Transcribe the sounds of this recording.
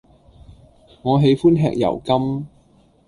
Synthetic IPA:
ŋɔː˨˧ɦe˨˧jfuː˥nɦɛ̰ː˧k̚jɐ̰˨˩wkɐ˥m

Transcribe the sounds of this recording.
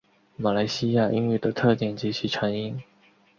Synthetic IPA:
ma˨˩la˧˥ɪɕi˥ja˥˧ʔi˥ŋy˥˩d̪ə˩t̪ʰɤ˥˧t̪jɛ˨˩nt͡ɕi˧˥t͡ɕʰi˧˥ʈ͡ʂʰa˧˥ŋi˥n

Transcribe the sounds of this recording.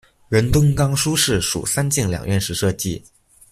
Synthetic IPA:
ɻə˧˥nt̪ʊ˥ŋkɑ˥ŋʂu˥ʂɻ̩˥˩ʂṵ˨˩sa˥nt͡ɕi˥˩ŋljɑ̰˨˩ŋɥɛ˥˧nʂɻ̩˧˥ʂɤ˥˩t͡ɕi˥

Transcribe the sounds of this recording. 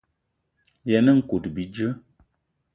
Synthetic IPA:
jɛ˨nə˦ŋ̩˨ku˨tbi˨d͡ʒə˦

